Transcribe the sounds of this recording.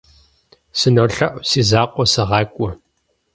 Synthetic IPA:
sɨnɐɬɐʔʷsiːzaːqʷɔsɨʁɑːkʷʼɔ

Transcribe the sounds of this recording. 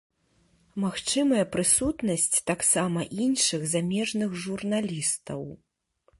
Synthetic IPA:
maxt͡ʂɨmɐjɐpɾɨsut̪nɐsʲt͡sʲt̪aksamɐʔinʂɨɣzamʲɛʐnɨxʐurnalʲist̪ɐw

